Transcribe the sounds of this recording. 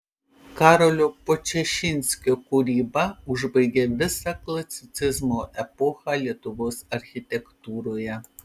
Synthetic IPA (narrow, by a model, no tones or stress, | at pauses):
kɑːɾolʲoːpot͡ʃʲɛʃʲɪnʲsʲkʲoːkʊɾʲiːbɐʊʒbɐɪɡʲeːʋʲɪsɑklˠɐsʲɪt̪sʲɪzmoːʔɛpɔxɑːlʲiɛt̪ʊʋoːsɐɾʲxʲɪt̪ʲɛkt̪uːɾoːjɛ